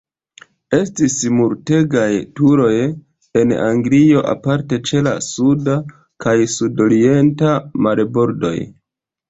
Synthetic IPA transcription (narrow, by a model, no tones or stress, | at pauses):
e̞stismuɾte̞ɡajtuɾo̞j | e̞na̰ŋɡlio̞ʔa̰paɾte̞t͡ʃe̞la̰suda | kajsudo̞ɾie̞ntamalebo̞ɾdo̞̰j